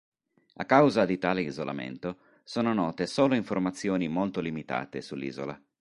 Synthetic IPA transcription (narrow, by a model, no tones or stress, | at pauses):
akːawzad̪it̪aːleizola̰mḛnt̪o | soːnonɔːt̪esoːloiɱformat̪sːjoːnimolt̪olimit̪a̰ːt̪esulːḭːzo̰la̰